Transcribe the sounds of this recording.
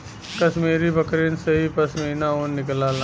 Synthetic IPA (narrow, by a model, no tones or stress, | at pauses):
kɐsmeːɾibɐkɾeːnseɦipɐsmiːnaoːnnɪklaːl